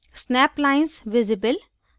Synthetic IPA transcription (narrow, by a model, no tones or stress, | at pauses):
snɛplaɪnsʋɪzɪbəl